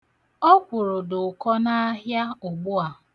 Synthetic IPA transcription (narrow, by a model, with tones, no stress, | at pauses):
ɔ˦kʷʊ˨ɾʊ˨dʊ˨kɔ˦na˦ɦja˦ʊ˨ɡ͡bʊ˦a˨